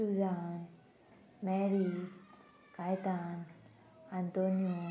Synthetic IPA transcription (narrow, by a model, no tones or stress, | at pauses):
sudaːn | mɛɾi | kajt̪aːn | ant̪oːnijo